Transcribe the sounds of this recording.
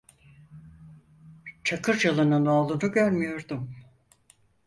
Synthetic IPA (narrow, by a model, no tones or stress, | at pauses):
t͡ʃʰakʰɯɾd͡ʒalˠɯnɯnoːlˠunuɟøɾmijo̞ɾd̪um